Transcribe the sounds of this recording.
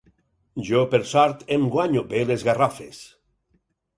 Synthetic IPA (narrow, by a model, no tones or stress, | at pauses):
ʒopeɾsaɾt̪emɡwaɲobelezɣarafes